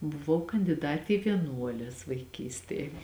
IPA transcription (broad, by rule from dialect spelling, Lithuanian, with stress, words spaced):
bʊˈʋɐʊ kɐnʲdʲɪˈdɑːtʲɪ ɪ ʋʲiɛˈnuɔlʲɛs ʋɐɪˈkʲiːsʲtʲeːj